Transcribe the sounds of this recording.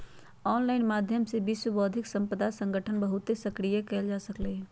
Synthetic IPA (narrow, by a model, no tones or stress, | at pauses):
ɔːnlaːɪnmaːd̪ʱjəmsebɪswəbɔːd̪ʱɪksɐ̃mpəd̪asə̃ŋɡʱəʈʰənbəɦʊt̪ːesɐkɾijakɛːld͡ʒaːsəkleɦ